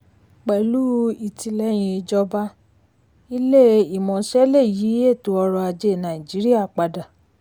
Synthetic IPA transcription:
k͡pɛ˨lu˦i˨ti˧lɛ˨˦j̃ĩ˧e˧d͡ʒɔ˧ba˦ | i˦le˦˨i˨mɔ̃˨˦ʃɛ˦le˦˨ji˨˦e˦˨to˨˦ɔ˧ɾɔ˧a˧d͡ʒe˦˨nã˨i˨d͡ʒi˨˦ɾi˦a˦˨k͡pa˧da˨

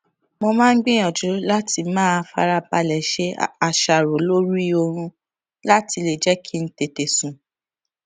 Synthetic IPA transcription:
mo˧mã˦n̩˦ɡ͡bĩ˦j̃ɔ̃˨d͡ʒu˨˦la˦ti˧mãː˦˧fa̰˧ɾa˧ba˧lɛ˨ʃe˦a˧ʃa˨ɾo˨˦lo˦ɾi˦o˧ɾ̃ũ˧ | la˦ti˧le˨d͡ʒɛ˦kʰi˦n̩˦te˨te˨sũ˨

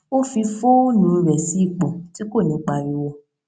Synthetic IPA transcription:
o˦fi˧fo˦o˦˨nũ˧˨˧ɾɛ˨si˨˦i˦˨k͡pɔ˨ti˨˦ko˦˨nĩ˨˦k͡pa˧ɾi˧˦wɔ˧

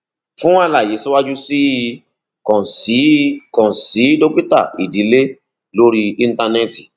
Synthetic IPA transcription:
fũ˦a˦˧la˨je˨˦si˦wa˦d͡ʒu˦si˦ | kɔ̃˨si˨˦kɔ̃˨si˨˦do˦k͡pi˦ta̰˦˨i˨di˨˦le˦ | lo˦ɾi˧ĩ˦˧n̩˦ta˧nɛ˦˨ti˨

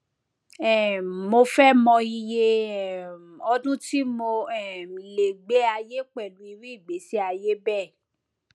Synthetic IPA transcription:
ɛ˦˨mo˧fɛ˦mɔ̃˧i˧je˧ɛ˨ɔ˧˦dũ˦ti˦mo˧ɛ˨le˨ɡ͡be˨˦a˧je˦k͡pɛ˦˨lũ˨˦i˧ɾi˦i˦˨ɡ͡be˨˦si˦a˧je˦bɛ˦˨

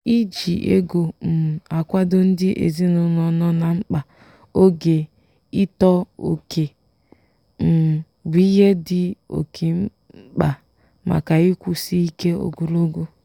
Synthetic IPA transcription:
i˦d͡ʒi˨ʔḛ˦ɡo˨m̩˨a˨kʷa˦do˦n̩˦dɪ˦ʔḛ˨zi˦nʊ˨nɔ˨nɔ˦na˨ŋ͡m̩˦k͡pa˨ | o˦ɡe˨ | i˦tɔ˦o̰˨kʰe˨ | m̩˨ | wi˦je˦dɪ˦o̰˨kʰe˨m̩˦ | k͡pa˨ | ma̰˨ka˨i˦kʷu˨si˦i˦ke˦o̰˨ɡu˨lo˦ɡo˦

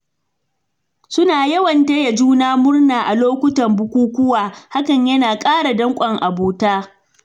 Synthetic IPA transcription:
sʊ˦naː˨jɐ˦wɐ˨nte˦ja˨d͡ʒuː˦naː˦mʊ˦rnaː˨ʔa˨loː˦kʷʊ˦tɐ˨mbʊ˦kʷuː˦kʷʊ˦waː˨ha˦kɐ˨ɲjɐ˦naː˨kʼaː˦ɽa˨dɐ˦ŋkʷʼɐ˨ŋʔa˨boː˦taː˦

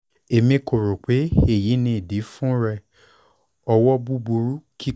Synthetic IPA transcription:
e˨mĩ˧ko˨ɾo˨k͡pe˨˦e˦˨ji˨˦nĩ˧˨di˨˦fũ˦ɾɛ˧ | ɔ˧wɔ˦bu˦bu˧ɾu˦ki˦

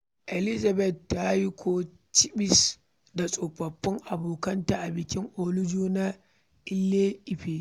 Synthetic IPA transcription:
ʔɛ˨lɪ˦za˨bɛ˨tːa˦ji˦kʷʰoː˦ | t͡ʃɪ˦bɪ˨s | da˨sʼo˨ɸɐ˨ɸːɪ˦ŋʔa˨boː˨kɐ˦nta˨ʔa˨bɪ˨kʲɪ˦ŋʔoː˦lʊ˦d͡ʒoː˦na˦ | ʔɪ˦lːeː˦ʔɪ˨ɸeː˨

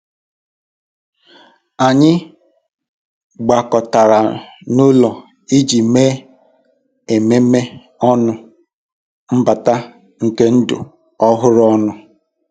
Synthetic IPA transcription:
a˨ɲɪ˦ | ɡ͡ba˨kɔ˨ta˨ɾa˨nʊ˦lɔ˨ | i˦d͡ʒi˨meː˦ | e˨me˦me˦ | ɔ˦nʊ˦ | m̩˦ba˨ta˦ | ŋ̩˨ke˦n̩˦dʊ̰˨ | ɔ˦ɦʊ˦ɾɔ˦nʊ˦

